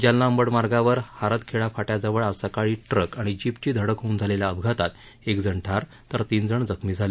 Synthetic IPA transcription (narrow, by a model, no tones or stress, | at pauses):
d͡ʑjalːaəmbəɽmaɾɡaʋəɾhaɾət̪kʰeɭafaʈjad͡zəʋəɭasakaɭiːʈɾəkaɽ̃id͡ʑipt͡ɕiːd̪ʱəɽəkɦound͡zʱaleljaəbʱɡʱat̪at̪ | ekd͡zʱəɳʈʰaɾ | t̪əɾt̪iːnd͡zəɳd͡zəkʰmiːd͡zʱale